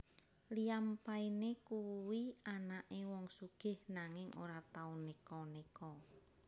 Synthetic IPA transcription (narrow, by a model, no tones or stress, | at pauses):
liampainekuwianaʔewɔŋsuɡ̥ɪ̤hnaŋɪŋʔo̰ɾat̪aunekɔnekɔ